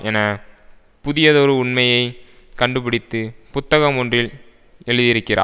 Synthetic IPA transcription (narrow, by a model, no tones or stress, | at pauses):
ɛnɐ | pʊðɪjɐðoːɾɯʊɳmɐjɐɪ | kɐɳɖɯpɪɽɪt̪ːɯpʊt̪ːɐɣɐmɔndrɪl | ɛɻɯðɪɾɯkːɪra̰ː